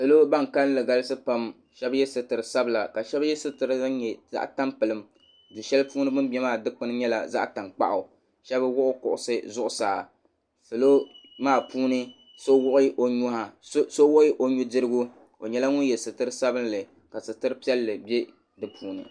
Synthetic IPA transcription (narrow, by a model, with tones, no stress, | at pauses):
sa˨lo˦ba˦ŋ˨ka˦n˦lɨ˨ɡa˦lɨ˦sɨ˦pa˦m | ʃɛ˦bjɛ˦sɨ˦tɨ˨ɾɨ˨sa˦bla˨ka˨ʃɛ˦bjɛ˦sɨ˦tɨ˨ɾɨ˦ɲɛ˨za̰˦ʔta˦mpɨ˨lɨ˨m | du˨ʃɛ˦lpuː˦nɨ˦bʊ˦nbɛ˦maː˦˨dɨ˦k͡pɨ˦nɨ˦ɲɛ˦la̰˨za̰˦ʔta˨nk͡pa̰˦ʔʊ˨ | ʃɛ˦ba˦wʊ˦ʔʊ˦kʊ̰˨ʔʊ̰˨sɨ˦zʊ˦ʔʊ˨saː˨ | sa˨lo˦maː˦˨puː˦nɨ˦ | so˦wʊ˦ʔʊ˦ʔo˨ɲʊ˦ha˨˦so˦wʊ˦ʔʔo˦ɲu˦dɨ˦ɾɨ˦ɡʊ˦ | o˨ɲɛ˦la˦ŋʊ˦n˦jɛ˨sɨ˨tɨ˦ɾɨ˦sa˦bɨ˦n˦lɨ˨ | ka˨sɨ˨tɨ˦ɾɨ˦pi˦ɛ˦lːɨ˨be˦ | dɨ˨pʰuː˦nɨ̰˨